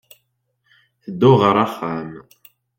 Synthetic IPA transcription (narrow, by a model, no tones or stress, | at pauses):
θd̪oʁɑɾˤaχaːm